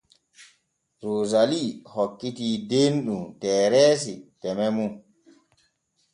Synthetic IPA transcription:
ɾoːzalihɔkːitidenɗumtɛːɾɛːs̬itɛmɛmu

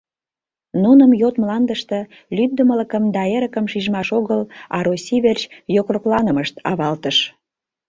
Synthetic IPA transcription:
nunəmjot̪mlɑnd̪əʃt̪ə̆ | lyd̪əmələkəmd̪ɑeɾəkəmʃiʒmɑʃoɣəlɑɾosʲiβert͡ɕjokroklɑnəməʃt̪ɑβɑlt̪əʃ

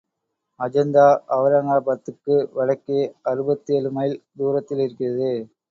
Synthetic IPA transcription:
ɐd͡ʒɐnd̪aːʔɐʋɐɾɐŋaːbɐt̪ːɯkːɯʋɐɻɐkːɪjɐɐɾɯbɐt̪ːijɐlɯmɐjld̪uːɾɐt̪ːɪlɪɾɯkːɪrɐðɯ

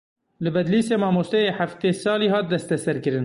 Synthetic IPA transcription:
lɨbɛd̪liːseːmɑːmoːst̪ɛjeːħaft̪eːsɑːliːɦɑːt̪̚d̪ɛst̪ɛsɛɾkɨɾɨn

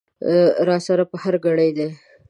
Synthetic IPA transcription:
ɾɑsaɾapəhaɾɡaɽəjd̪e

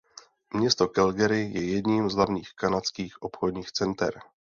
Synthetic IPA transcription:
mɲɛst̪o̞kɛlɡɛɾɪjɛjɛdɲiːmzɦlavɲiːxkanat͡skiːxʔo̞pxodɲiːxt͡sɛnt̪ɛ̰ɾ

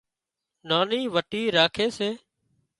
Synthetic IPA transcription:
naːniːʋəʈiːɾaːkʰeːseː

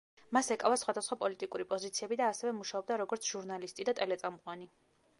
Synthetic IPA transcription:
masɛkʼavasχwad̪asχwapʼɔlit̪ʼikʼuɾipʼɔzit̪sʰiɛbid̪aːsɛvɛmuʃaɔb̚d̪aɾɔɡɔɾt̪sʰʒ̥uɾnalist̪ʼid̪at̪ʼɛlɛt̪sʼamqʼwani

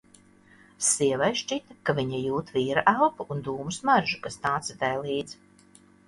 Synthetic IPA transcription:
siɛvajʃt͡ʃit̪akaviɲajuːt̪viːɾaʔalpuʔund̪uːmusmaɾʒukast̪aːt̪sat̪ɛjlˠiːd̪z

